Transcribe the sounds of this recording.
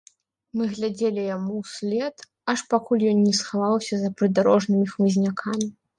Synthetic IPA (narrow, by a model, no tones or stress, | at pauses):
mɨɣlʲad͡zʲelʲijamuwsʲlʲɛt̪ | ɐʂpakulʲjɔnnʲɛsxavawsʲɐzɐpɾɨd̪aɾɔʐnɨmʲixmɨzʲnʲakʰamʲi